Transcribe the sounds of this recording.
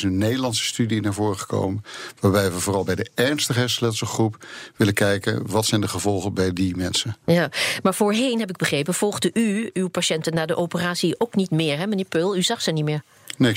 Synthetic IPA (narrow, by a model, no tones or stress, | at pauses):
sənːejdəlɑntsə̥stydinaːɹvʊːrəχə̥ko̰wmənʋaːɹbɛjʋəvʊːrɑlˠbɛjdəɛɹnstəχɦɛslɛtsəχrupʋɪləkɛjkə̰nʋɑtsɛjndəχəvɔlˠχəbɛjdimɛnsənjaːmaːɹv̥ʊːɹɦejnɦɛp̬ɪɡ̚bəχrejpənv̥ɔlˠχdəʔyywpaʃɛntənaːdəʔowpəraːsiowknitmɪːɹɦɛmənɪːɹpølˠyzɑχsənitmɪːɹ | ne